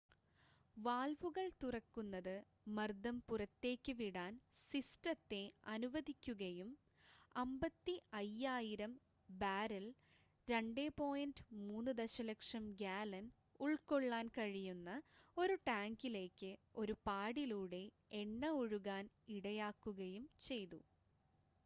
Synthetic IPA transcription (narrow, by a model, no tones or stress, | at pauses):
ʋaːlʋuɣɐɭt̪urɐkːunːɐðɨ | mɐrd̪ɐmpurɐt̪ːe̞ːkʲːɨʋiɽaːn | sistɐt̪ːe̞ɐnuʋɐðikʲːuɣɐjum | ɐmbɐt̪ːiɐjːaːjiɾɐm | baːɾɐl | ɾeɳɖe̞ːpo̞ːjɐndɨmuːnːɨd̪ɐɕɐlɐkʂɐmɡaːlɐn | uɭko̞ɭːaːnkɐɻijunːɐo̞ɾuʈaːŋɡile̞ːkːɨo̞ɾupaːɽiluːɽe̞ | eɳːɐoɻuɣaːn | iɽɐjaːkːuɣɐjumt͡ɕe̞jt̪ṵ